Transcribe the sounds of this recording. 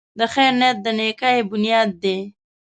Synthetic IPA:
d̪əxɛːɾnet̪̚d̪ənekaebʊnijɑːd̪̚ːe

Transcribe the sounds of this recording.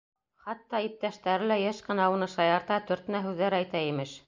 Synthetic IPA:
χɑt̪ːɑip̚t̪æʃt̪æɾɘlæjɘʃqɤ̆nɑunɤʃɑjɑɾt̪ɑt̪ɵ̆ɾt̪ɘ̆næɦʉðːæɾæjt̪æimɘʃ

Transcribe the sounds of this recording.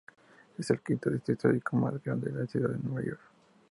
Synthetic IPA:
eselkint̪oðist̪ɾit̪oɾikomazɡɾand̪eðaesuðaðenweβajoɾk

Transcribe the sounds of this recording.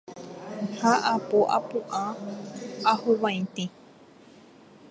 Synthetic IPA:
haʔapoʔa̰pũʔã | ahuβãj̃t̪ĩ

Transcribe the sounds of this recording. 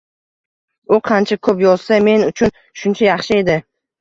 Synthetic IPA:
ʊqʰɑnt͡ʃʰakʰɵpjɒzsame̞nʊt͡ʃʰʊn | ʃʊnt͡ʃʰajɑχʃɪe̞d̪ɪ

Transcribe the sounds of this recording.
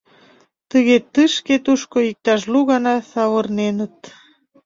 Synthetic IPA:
t̪əɣet̪ɨʃket̪uʃkoik̚t̪ɑʃluɣɑnɑsɑβɤ̆rnenət̪

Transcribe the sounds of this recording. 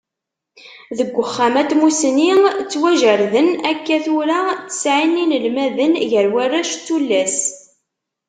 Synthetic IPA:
ðəɡʷːəχːæmæt̪musniʁt͡sːwæʒəɾðənækːæθuɾat͡sːə̥sʕinːinəlmæðənʝəɾwærːæʃt͡sːulːæs

